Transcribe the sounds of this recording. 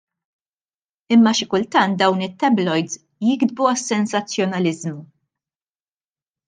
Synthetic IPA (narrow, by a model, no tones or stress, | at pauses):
ɪmːɐʃɪkʊlt̪ɐnt̪̚d̪ɐwnɪt̪ːɛblɔjd̪z | jɪɡd̪buɐsːɛnsɐt͡sːjɔnɐlɪzmu